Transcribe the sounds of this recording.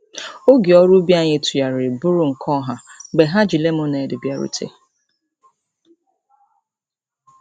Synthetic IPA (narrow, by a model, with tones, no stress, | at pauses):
o˦ɡi˨ɔ˦ɾu˦bja˦˨ɲɪ˨tʰu˨ja˨ɾɪ˨bʊ˦ɾʊ˦ŋ̩˨kʰɔ˦ɦa˨ɡ͡be˨ɦa˦d͡ʒi˨le˦m̩˦ʊ˦ne˨dɪ˨bja˦ɾṵ˨tʰḛ˦